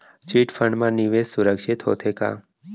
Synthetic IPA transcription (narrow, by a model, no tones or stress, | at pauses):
t͡ʃiʈfʰəɳɖmãniʋessʊɾəkʃit̪ɦo̰t̪ʰeka̰ː